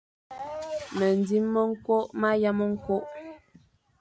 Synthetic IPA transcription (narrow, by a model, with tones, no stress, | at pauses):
mə˨n˨di˦mːə˦ŋ̩˦ko˦ʔma˦ja˦mə˦ŋ̩˦ko˦ʔ